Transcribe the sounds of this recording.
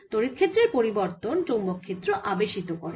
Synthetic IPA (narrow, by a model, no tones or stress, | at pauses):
t̪oɾit̪kʰet̪ːɾeɾpoɾiboɾt̪onʈombokʰːet̪ːɾoʔabeʃit̪okɔɾo